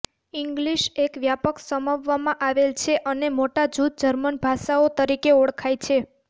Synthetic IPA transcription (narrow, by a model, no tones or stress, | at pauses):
iŋɡliʃekʋjapəksəmaʋːamãʔaʋelt͡ʃʰeʔənemoʈad͡ʒud̪̚d͡ʒəɾmənbʱaʃaot̪əɾikeoɽkʰajt͡ʃʰe